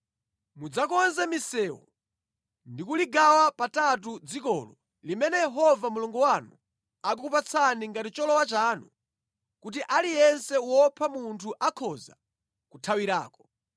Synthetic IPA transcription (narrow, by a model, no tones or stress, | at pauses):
mud͡zakɔnzɛmisɛːwɔ̰ | ndikuliɡawapatat̬ud͡zikɔːlɔ | limɛnɛjɛɦɔvamuluŋɡɔwanu | ak̬ukup̬at͡sʰaniŋɡatit͡ʃɔlɔwat͡ʃaːnṵ | kut̬iʔalijɛnsɛwɔpʰamuntʰuʔakʰɔza̰ | kutʰawiɾa̰ːkɔ̥